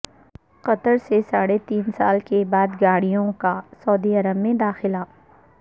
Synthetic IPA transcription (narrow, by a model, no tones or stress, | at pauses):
qɐt̪əɾsesaːɽet̪iːnsaːlkebaːd̪ɡaːɽijõkasɔːd̪iɐɾəbmẽd̪aːxɪlaː